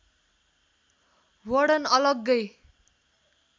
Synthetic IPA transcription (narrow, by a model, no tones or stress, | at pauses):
wʌɽʌnʌlʌɡːʌj